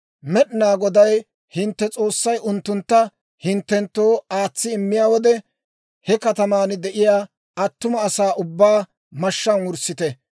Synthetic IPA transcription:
mɛɗɪnaːɡɔd̪ɐj | hɪnt̪ːɛt͡sʼo̞ːsːɐjʔʊnt̪ːʊnt̪ːɐ | hɪnt̪ːɛnt̪ːo̞ːaːt͡sːɪɪmːɪjaːwɔd̪ɛ | hɛkɐt̪ɐmaːnɪd̪ɛʔɪjaː | ɐt̪ːʊmɐːsaːʔʊbːaː | mɐʃːɐnwʊɾsːɪt̪ɛ

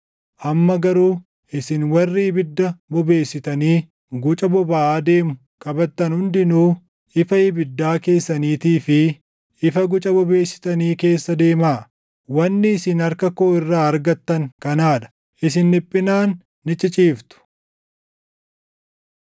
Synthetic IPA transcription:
ʔɐmːɐɡɐɾuː | ʔɪsɪnwɐrːiːbɪd̪ːɐbɔbe̞ːsːɪt̪ɐniː | ɡʊt͡ʃʼɐbɔbaaːd̪e̞ːmʊ | kʼɐbɐt̪ːɐnhʊnd̪ɪnuː | ɪfɐɪbɪd̪ːaːke̞ːsːɐniːt̪iːfɪ | ʔɪfɐɡʊt͡ʃʼɐbɔbe̞ːsːɪ̥t̪ɐniːke̞ːsːɐd̪e̞ːmaː | wɐnːɪːsɪnɐɾkɐkoːɪrːaːɐɾɡɐt̪ːɐŋkɐnaːᶑɐ̥ | ʔɪsɪnːɪpʼːɪnaːnː | ɪt͡ʃʼɪt͡ʃʼiːft̪ʊ̥

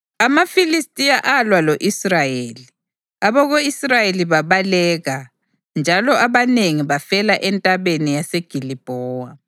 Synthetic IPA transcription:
amafilistʼijaʔalwaloʔisrajeːli | aβɔɣoisrajeliβaβalɛɣa | nd͡ʒʱalɔʔaβaneŋiβafɛlaʔɛntʼaβenijaseɡ̥ʱilib̥ʱɔːwa

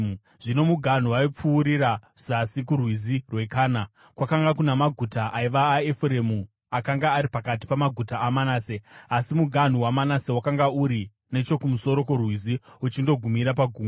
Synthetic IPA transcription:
ʐino̞muɡʱan̤uwaip͡fuːɾiɾazasikurwizirwe̞kaːna | kwakaŋɡakunamaɡʱutaʔaiʋaːefuɾe̞mu | akaŋɡaːɾipakat̬i̥pamaɡʱutaːmanaːse̞asimuɡʱan̤uwamanase̞wakaŋɡauɾi | ne̞t͡ʃo̞kumuso̞ɾo̞kurwiziut͡ʃindo̞ɡʱumiɾapaɡʱuːm

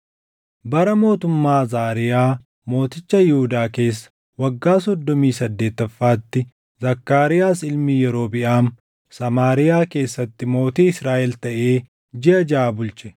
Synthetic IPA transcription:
bɐɾɐmo̞ːt̪ʊmːaːzaːɾɪjaː | mo̞ːt̪ɪt͡ʃːɐjɪhʊd̪aːke̞ːsːɐ̥ | wɐɡːaːsɔd̪ːɔmiːsɐd̪ːe̞ːt̪ːɐfːaːt̪ːɪ | zɐkːaːɾɪjaːsɪlmiːjɛɾo̞ːbɪʔaːm | sɐmaːɾɪjaːke̞ːsːɐt̪ːɪmo̞ːt̪iːɪsɾaːʔɛlt̪ɐʔe̞ː | d͡ʒɪʔɐd͡ʒaːbʊlt͡ʃɛ̥

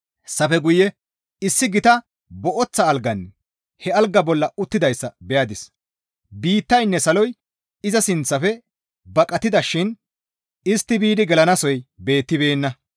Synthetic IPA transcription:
sɐfɛɡʊjːɛ | ɪsːɪɡɪt̪ɐ | bɔʔɔt͡sːɐːlɡɐn | hɛɐlɡːɐbɔlːɐʊt̪ːɪd̪ɐjsːɐbɛjad̪ɪs | biːt̪ːɐjnːɛsɐlɔj | ɪzɐsɪnt͡sːɐfɛ | bɐkʼɐt̪ːɪd̪ɐʃɪn | ɪst̪ːɪbiːd̪ɪɡɛlɐnɐsɔjbe̞ːt̪ːɪbe̞ːnːɐ

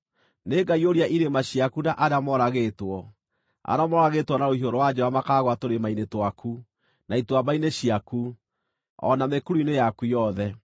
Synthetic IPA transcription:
neːɡaioɾiaʔiɾemaɕiakunaʔaɾeamɔɾaɣetwɔ | a̰ɾamɔɾaɣetwɔnaohioɾɔwad͡ʑɛβamakaɣwatoɾemainetwakʰu | naitwabaineɕiaku | ɔ̰namekuɾuinejakujɔðɛ

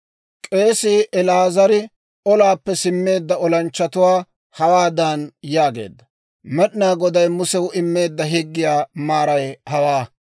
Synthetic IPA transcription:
kʼe̞ːsɪʔɛlaːzɐɾɪ | ɔlaːpːɛsɪmːe̞ːd̪ːɐɔlɐnt͡ʃːɐt̪ʊwaː | hɐwaːd̪anjaːɡe̞̰ːd̪ːɐ | mɛɗɪnaːɡɔd̪ɐjmʊsɛwʊɪmːe̞ːd̪ːɐɦɪɡːɪjaːmaːɾɐjhɐwaː

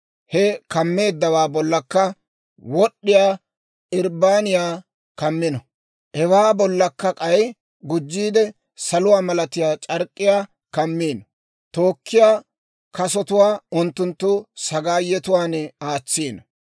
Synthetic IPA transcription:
hɛkɐmːe̞ːd̪ːɐwaːbɔlːɐkːɐ | wɔɗːɪjaː | ɪɾbaːnɪjaː | kɐmːɪnɔ | ʔɛwaːbɔlːɐkːɐkʼɐj | ɡʊd͡ʒːiːd̪ɛ | sɐlʊwaːmɐlɐt̪ɪjaːt͡ʃʼɐɾkʼːɪjaː | kɐmːiːn | t̪oːkːɪjaː | kɐsɔt̪ʊwaːʊnt̪ːʊnt̪ːʊsɐɡaːjɛt̪ʊwaːnɛaːt͡sːiːnɐ

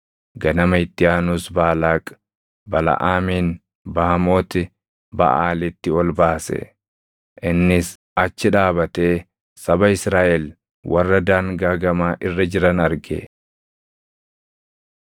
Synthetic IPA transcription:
ɡɐnɐmɐɪt̪ːɪjaːnuːsbaːlaːkʼ | bɐlɐ̰ʔaːmiːn | baːɐmoːt̪ɪ | bɐ̰ʔaːlɪt̪ːɪɔlbaːsɛ̰ | ʔɪnːɪs | ɐt͡ʃːɪᶑaːbɐt̪eː | sɐbɐɪsɾaːʔɛl | wʔɐrːɐd̪aːŋɡaːɡɐmaːʔɪrːɐd͡ʒɪɾɐnɐɾɡḛ

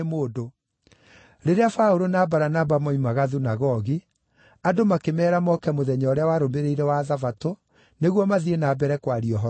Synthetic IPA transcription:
moːdo | ɾeɾeafaoɾonabaɾanabamɔimaɣaðunaɣɔɣi | adomakemɛːɾamɔkɛmoðɛɲɔɾeawaɾombeɾeiɾɛwaðavato | neɣwɔmaðienabɛɾɛkwaɾiɔɦɔ

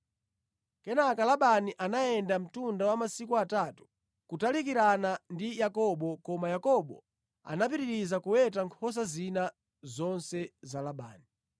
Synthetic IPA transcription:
kɛnakalaɓaniʔanaɛndam̩tundawamasikuatatu̥ | kutalik̬iɾanandijakɔɓɔkɔmajakɔɓɔ̰ | a̰nap̬iɾiɾizakuwɛtaŋkʰɔs̬azina | zɔnsɛzalaɓa̰ːni

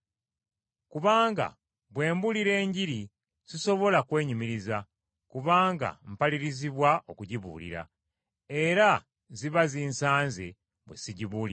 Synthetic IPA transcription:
kuβaːŋɡa̰ | βwe̞ːmbuliɾe̞ːɲɟiɾi | z̥iso̞βo̞lakwe̞ːɲumiɾiza | kuβaːŋɡa̰m̩paliɾiziβwaʔo̞kuɟiβṵːlḭɾa̰ | e̞ɾa | ziβaziːnsaːnzḛ | βwe̞̰siɟiβuːli

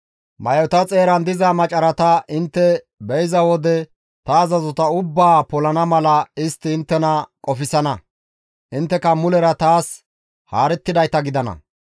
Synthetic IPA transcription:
mɐjɔt̪ɐt͡sʼe̞ːɾɐnd̪ɪzɐmɐt͡ʃʼɐɾɐt̪ɐʔɪnt̪ːɛ | bɛjɪzɐwɔd̪ɛ | t̪ɐːzɐzɔt̪ɐʊbːaːpɔlɐnɐmɐlɐɪst̪ːɪːnt̪ːɛnɐkʼɔfɪsɐnɐ | ʔɪnt̪ːɛkɐmʊlɛɾɐt̪aːs | haːɾɛt̪ːɪd̪ɐjt̪ɐɡɪd̪ɐnɐ̰

